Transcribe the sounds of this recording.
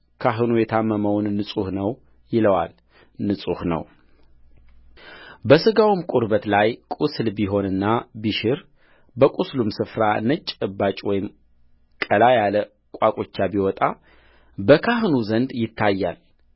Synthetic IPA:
kʰaɦɨnujɛt̪ʰamːəməwnːɨsʼuhnəw | jɪləwal | nɨsʼuhnə̰w | bəsɨɡawumkʼuɾbət̪lajkʼuslbiɦo̞nɨnːabiʃɪɾ | bəkʼuslumsɨfɾanət͡ʃʼɨbat͡ʃʼwɔjɪm | kʼəlajalə | kʷʼwakʼot͡ʃːabiwɔt̪ʼa | bəkʰahɨnuzənd̪jɪt̪ʰːajːal

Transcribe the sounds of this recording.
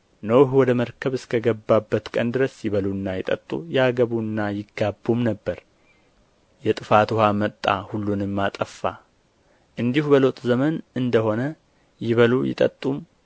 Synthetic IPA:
nəwhwɔd̪əməɾkʰəβɨskʰəɡəbːabːət̪kʼənd̪ɨɾəsjɪβəlunːajɪt̪ʼə̰t̪ʼːṵjaɡəβunːajɪɡːabːumnəbːəɾ | jɛt̪ʼɨfat̪uhamət̪ʼːa̰hulːunɨmːat̪ʼəfːa | ʔɨnd̪ihubəlot̪ʼzəmənɨnd̪əho̞nə | jɪβəlujɪ̰t̪ʼə̰t̪ʼːum

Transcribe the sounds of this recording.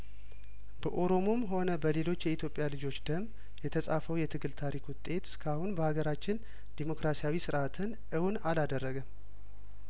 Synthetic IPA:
bəʔoɾo̞mo̞mɦo̞nəbəle̞lo̞t͡ʃːjɛit̪ʰjo̞pʼːjalɨd͡ʒo̞t͡ʃːd̪̥əmː | jɛt̪ʰəsʼafəwjɛt̪ʰɨɡɨlt̪ʰaɾikwʊt̪ʼːe̞t̪skʰahunbəhaɡəɾat͡ʃːɪn | d̪̥emo̞kɾasijawisɨɾʔat̪ʰɨn | ʔɨwnalad̪ərːəɡəm

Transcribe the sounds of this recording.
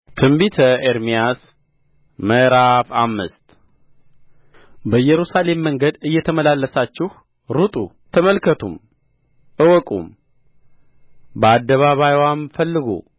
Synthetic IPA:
t̪ʰɨmbit̪ʰəeɾmijas | məɾafamːɨ̰st̪ʼ | bəjːɛɾusale̞mːəŋɡəd̪ɨjːɛt̪ʰəməlalːəsat͡ʃːɪh | ɾut̪ʼu | t̪ʰəməlkʰət̪ʰum | ʔɨwɔkʼṵm | bəad̪ːəβaβajwamfəlːɨɡṵ

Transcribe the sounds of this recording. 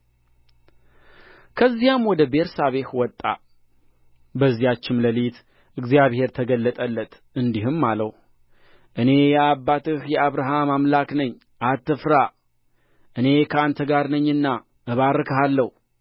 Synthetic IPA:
kʰəzːijamwɔd̪əbe̞ɾsaβe̞hwɔt̪ʼːa̰ | bəzːijat͡ʃːɪmləlit̪ | ʔɨɡzijaβhe̞ɾt̪ʰəɡəlːət̪ʼəlːət̪ | ɨnd̪ihɨmːaləw | ʔɨne̞jɛabːat̪ɨhjɛaβɾaɦamamlaknəɲː | ʔat̪ːɨfɾa | ʔɨne̞kʰəant̪ʰəɡaɾnəɲːɨnːa | ʔəβaɾːɨkʰəɦalːəh

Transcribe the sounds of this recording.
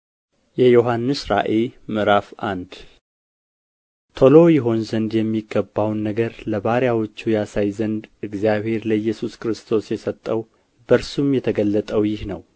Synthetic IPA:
jɛjo̞ɦanːɨsɾa̰ʔemɨɾafʔand̪ | t̪ʰolo̞jɪɦo̞nzənd̪jɛmːiɡːəbːawnːəɡəɾləβaɾjawot͡ʃːujasajzənd̪ɨɡzijaβhe̞ɾləjːɛsuskɾɨst̪ʰo̞sjɛsət̪ʼːəw | bəɾsumjɛt̪ʰəɡəlːət̪ʼəwjɪhnəw

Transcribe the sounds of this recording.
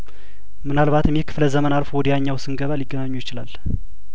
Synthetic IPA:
mɨnalβat̪ɨmːikʰɨ̥fləzəmənalfowɔd̪əjaɲːawsɨŋɡəβaliɡːənaɲːujɪt͡ʃɪlal

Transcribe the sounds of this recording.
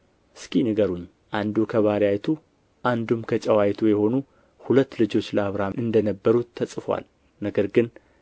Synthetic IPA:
ʔɨskinɨɡəɾuɲː | ʔand̪ukʰəβaɾjajt̪ʰu | ʔand̪umkʰət͡ʃʼɛwajt̪ʰujɛho̞nu | hulət̪ːlɨd͡ʒo̞t͡ʃːləaβɾaɨnd̪ənəbːəɾut̪ʰːəsʼfwa̰l | nəɡəɾɡɨn

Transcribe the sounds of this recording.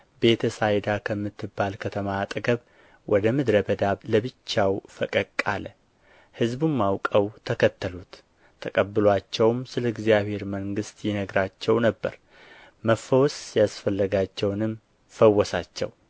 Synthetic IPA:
be̞t̪ʰəsajd̪akʰəmːɨt̪ʰːɨbːalkʰət̪ʰəmaːt̪ʼɡəβ | wʔɔd̪əmɨd̪ɾəbəd̪aβləbɨt͡ʃːawfəkʼəkʼːalə | hɨzbumːawkʼəwt̪ʰəkʰət̪ːəlut̪ʰː | əkʼəbːɨlwat͡ʃːɛwmsɨləɨɡzijaβhe̞ɾməŋɡɨst̪jɪnəɡɾat͡ʃːɛwnəbːə̰ɾ | məfəwsjasfəlːəɡat͡ʃːɛwnɨm | fəwːɔsat͡ʃːɛ̰w

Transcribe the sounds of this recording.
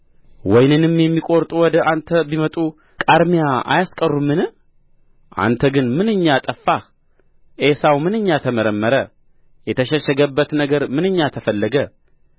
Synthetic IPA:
wɔjnɨnɨmjɛmːikʼoɾt̪ʼuwɔd̪əʔant̪ʰəbimət̪ʼu | kʼaɾmijaʔa̰jaskʼərːumːɨnɨ | ʔa̰nt̪ʰəɡɨnmɨnɨɲːat̪ʼəfːah | ʔesawmɨnɨɲːat̪ʰəməɾəmːəɾə | jɛt̪ʰəʃɛʃɛɡəbːət̪nəɡəɾmɨnɨɲːat̪ʰəfəlːəɡə

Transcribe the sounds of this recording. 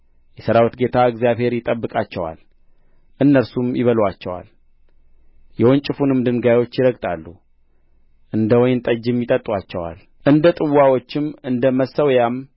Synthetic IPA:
jɛsəɾawt̪ɡe̞t̪ʰaɨɡzjaβhe̞ɾjɪt̪ʼəbːɨkʼat͡ʃːɛwa̰l | ʔɨnːəɾsumjɪβəlwat͡ʃːɛwa̰l | jɛwont͡ʃʼɪfunɨmd̪ɨnɡajwo̞t͡ʃːjɪɾəɡt̪ʼalːu | ʔɨnd̪əwɔjnt̪ʼəd͡ʒːɪmjɪt̪ʼət̪ʼːwat͡ʃːɛwa̰l | ʔɨnd̪ət̪ʼɨwːawot͡ʃːɪmɨnd̪əməsːəwjam

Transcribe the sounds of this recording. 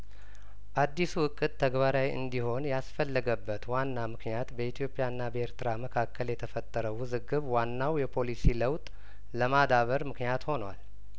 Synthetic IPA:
bad̪ːisuɨkʼːɨt̪ʰːəɡbaɾawɨ̰nd̪iho̞njasfəlːəɡəbːət̪wanːamɨknijat̪bəit̪ʰijo̞pʼːjaɨnːabəe̞ɾt̪ɨɾaməkʰakʰːəljɛt̪ʰəfət̪ʼːəɾəwɨzɨɡɨβwanːawjɛpʰo̞lisiləwt̪ʼ | ləmad̪aβəɾmɨknijat̪ho̞nwa̰l

